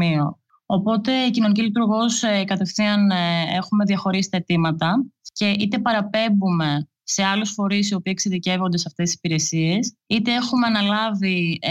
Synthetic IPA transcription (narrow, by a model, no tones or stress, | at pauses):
io̞ | opo̞t̪e̞icino̞nic̬ilit̪uɾɣo̞skɐt̪e̞fθiɐne̞xume̞ðjɐxo̞ɾisi̥t̪ɐet̪imɐt̪ɐce̞it̪e̞pɐɾɐpe̞mbume̞ | se̞ɐlusfo̞ɾisio̞pikseðice̞vo̞nd̪e̞sɐft̪est̪isi̥piɾe̞sie̞s | it̪e̞e̞xume̞ɐnɐlɐvi